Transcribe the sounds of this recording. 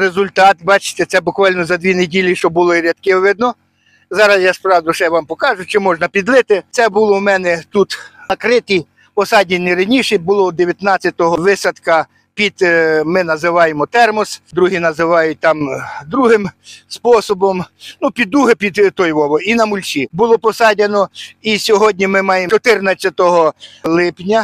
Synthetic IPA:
ɾezʊlʲt̪ɑt̪bɑt͡ʃɪ̥t̪ɛt̪sɛbʊkʋɑlʲnɔzɐd̪ʋʲinedʲilʲiʃt͡ʃɔbʊlˠɔiɾʲɐt̪kɪʋɪd̪nɔ | zɑɾɐsʲjaspɾɑwd̪ʊʃɛʋɑmpɔkɑʒʊt͡ʃɪmɔʒnɐpʲid̪ʋɪt̪ɪt̪sɛbulˠɔwmɛnɛt̪ut̪ɐkɾɪt̪ij | pɔsɑdʲɪnʲːiɾɐnʲiʃɛbʊlˠɔd̪eʋʲjɐt̪nɑt͡sʲːɐt̪ɔɦɔʋɪsɐt̪kɐ | pʲid̪̥mɪnɐzɪʋɑjemɔt̪ɛrmɔsd̪ɾuɦinɐzɪʋɑjʊt̚ʲt̪ɑmd̪ɾuɦɪmspɔsɔbɔmnupʲid̪ːuɦɪpʲid̪t̪ɔjʋɔʋɔinɐmʊlʲt͡ʃʲibʊlˠɔpɔsɑdʲɐnɔisʲɔɦɔdʲnʲimɪmɑjet͡ʃɔt̪ɪrnɐt͡sʲːɐt̪ɔɦɔlˠɪpnʲɐ

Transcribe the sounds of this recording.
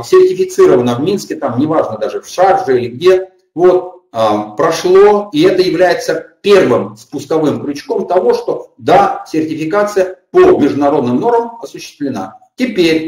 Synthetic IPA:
sʲɪrtʲɪfʲɪt̪sɨɾəvənəvmʲinskʲɪt̪amnʲɪvaʐnəd̪aʐɨfʂarʐɨilʲɪɡdʲe̞ | vo̞t̪̚ | pɾɐʂlˠo̞iɛt̪əjɪvlʲæjɪt̪səpʲe̞rvɨmspʊsk̪ɐvɨmkɾʲʊt͡ɕko̞mt̪ɐvo̞ʂt̪o̞d̪asʲɪrtʲɪfʲɪkat̪sɨjəpomʲɪʐd̪ʊnɐɾo̞d̪nɨmno̞rməmɐsʊɕːɪ̥st̪vlʲɪna̰tʲɪpʲeɾʲ

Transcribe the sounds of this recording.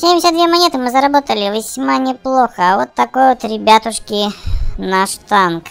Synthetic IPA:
sʲemʲdʲɪsʲət̪d̪vʲemɐnʲet̪ɨmɨzəɾɐbo̞t̪əlʲɪvʲɪsʲmanʲɪplˠo̞xəvot̪ːɐko̞jot̪ɾʲɪbʲat̪ʊʂkʲɪnɐʂt̪ank

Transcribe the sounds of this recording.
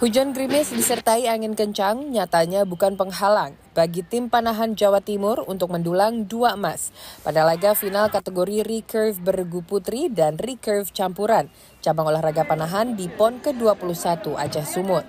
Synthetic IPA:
hud͡ʒanɡɾimɪsdisərt̪aiaŋɪnkəɲt͡ʃaŋɲat̪aɲabukanpəŋɦalaŋ | b̥aɡit̪ɪmpanaɦand͡ʒawat̪imʊrunt̪ʊk̚məndulaŋduaəmaspadalaɡafinalkat̪əɡoɾirikərfbərɡuput̪ɾidanrikərft͡ʃampuɾan | t͡ʃabaŋolahraɡapanaɦandipɔnkəduapuluhsat̪uʔa̰d͡ʒahsumʊt̪̚

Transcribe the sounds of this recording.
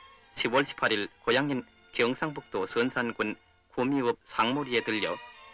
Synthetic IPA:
ɕʰibwʌɭɕʰi̥pʰaɾiɭkojaŋɲin | kjʌŋsʰaŋbuk̚t͈osʰɯnsʰanɡun | komiɯp̚sʰaŋmuɾietɯʎːʌ

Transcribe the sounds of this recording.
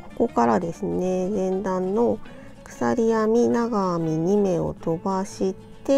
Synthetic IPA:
ko̥ko̞kaɾad̪e̞sɨne̞zẽ̞nd̪ãnːo̞ | kɯ̟̥saɾʲiamʲinaɡaːmʲiɲ̟ime̞o̞̰t̪o̞baɕit̪e̞

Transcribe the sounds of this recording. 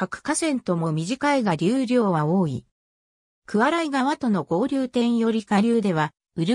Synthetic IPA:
kakɯ̟̥kasẽ̞nt̪o̞mo̞mʲiʑikaiɡaɾʲɨːɾʲo̞ːβaoːḭ | kɯ̟βaɾaiɡaβat̪o̞no̞ɡo̞ːɾʲɨːt̪ẽ̞ɰ̃jo̞ɾʲikaɾʲɨːd̪e̞β̞a | ɯ̟ɾɯ̟

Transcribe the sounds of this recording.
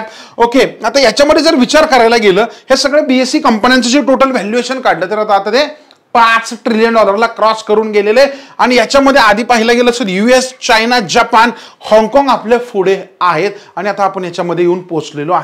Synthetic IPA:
okeat̪ajat͡ɕjaməd̪ʱːjed͡zəɾʋit͡ɕaɾkəɾajlaɡeləːhesəɡɭebiesiːkəmpənjant͡sət͡ɕiːʈoʈəlʋɛljueɕənkaɽlət̪eɾat̪aːt̪at̪e | pãt͡sʈɾilijənɳɖɔləɾlakɾɔskəɾuːnɡeleleaɽ̃ijat͡ɕjaməd̪ʱːjead̪ʱiːpaɦilaɡeləːsəɾjuest͡ɕajnad͡ʑapanhɔ̃ŋɡkɔ̃ŋɡaplefuɽeaɦet̪aɽ̃iat̪aːpəɳjat͡ɕjaməd̪ʱːjejeuːnposʈleloaɦe

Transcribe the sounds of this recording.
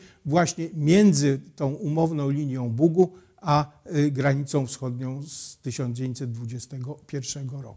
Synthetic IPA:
vwaɕɲɛmʲjɛnd̪zɘt̪ɔ̃w̃umɔvnɔ̃w̃lʲiɲjɔ̃w̃buɡu | aɡɾaɲit̪sɔ̃w̃fsxɔd̪ɲɔ̃w̃st̪ɘɕɔnd͡ʑevʲẽɲt͡ɕsɛt̪̚d̪vud͡ʑɛst̪ɛɡɔpʲjɛɾfʂɛɡɔɾɔ̰ku̥

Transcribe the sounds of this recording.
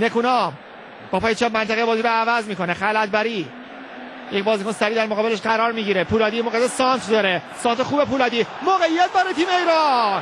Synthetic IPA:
ne̞kʰunɒːm | b̥ɒːpʰːjet͡ʃʰɒːb̚mænt̪ʰæɣejebɒːziːɾoævæzmiːkʰo̞neχælæt̪̚bæɾiː | jec̚ʲbɒːzikonsæɾiːd̪æɾmoʁɒːbe̞leʃɢæɾɒːɾmiːɟiɾepʰuːlɒːd̪imoɣed̪esɒːnt̪ʰd̪ɒːɾesɒːnt̪ʰexuːbepuːlɒːd̪iːmoɣejːæt̪̚bæɾet̪ʰiːmeiːɾɒn

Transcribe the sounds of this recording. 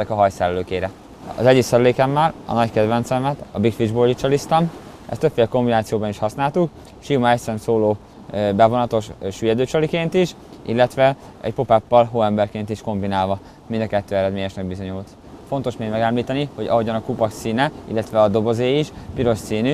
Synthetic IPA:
ɛkɒɦɒjsɛlløːkeːɾɛ | ɒ̰zɛɟiksɛɾyleːkɛmːɛlɒ̰nɒckɛd̪ʋɛnt̪sɛmɛt̪ɒbikfiʒboːlɟit͡ʃɒlist̪ɒm | ʔɛ̰st̪øpfeːlko̞mbinaːt̪sijoːbɒniʃhɒsnaːlt̪uk | ʃimɒɛcsɛnsoːloː | bɛvo̞nɒt̪o̞ʃʃyːjɛd̪øːt͡ʃɒlikeːnt̪iʃ | ḭlːɛt̪ʋɛ | ɛ̰cpo̞papːɒlɦoːɛmbɛrkeːnt̪iʃko̞mbinaːlvɒ | mind̪ɒkɛt̪ːøːɛɾɛd̪meːɲɛʃnɛɡ̚bizo̞ɲult̪ | fo̞nt̪o̞ʃmeːɡmɛɡɛmliːt̪ɛniho̞ɟɒ̰ɦo̞ɟɒnɒkupɒksiːnɛḭlːɛt̪ʋɛɒd̪o̞bo̞zeːiʃpiɾo̞ʃsiːny

